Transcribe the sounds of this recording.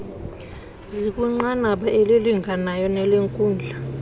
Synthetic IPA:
zik̬ʼuŋ͡ǃanaɓaʔeliliŋʱanajɔnɛleŋkʼuːnd͡ɮʱa

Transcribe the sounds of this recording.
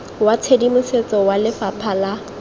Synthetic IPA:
wat͡sʰedimʊset͡sʼɔwalɪfapʰala

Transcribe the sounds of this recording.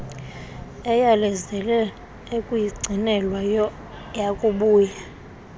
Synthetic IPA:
ɛjalɛzɛlɛ | ekʼujiɡ͡ǀʱinɛlwa | jakʼuɓuːja

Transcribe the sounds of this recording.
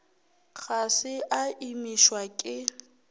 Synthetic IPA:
k͡xʰasɪʔaʔimiʃwakʼɪ

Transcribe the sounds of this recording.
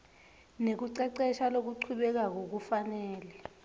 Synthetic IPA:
nek̬uǀɛǀɛʃalok̬uǀʰuɓɛk̬ak̬ok̬ufanɛːlɛ

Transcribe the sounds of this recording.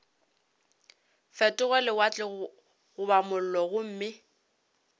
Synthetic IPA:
fɛtʼʊɣɛlɪwat͡ɬʼɪ | ɣʊbamʊl̩lɔɣʊm̩ːmɪ

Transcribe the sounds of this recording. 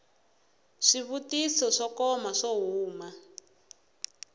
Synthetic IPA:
ʂiβutisɔʂɔkɔmaʂɔɦuːma

